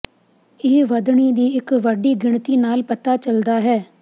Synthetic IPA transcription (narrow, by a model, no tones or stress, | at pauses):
ɪʋəd̪ɳiːd̪iːɪkʋəɖiːɡɪɳt̪iːnaːlpət̪aːt͡ʃəld̪aːɦɛː